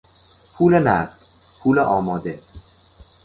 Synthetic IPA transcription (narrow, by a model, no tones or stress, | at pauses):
pʰuːlenæ̰ɾd̪ | pʰuːleʔɒːmɒːd̪e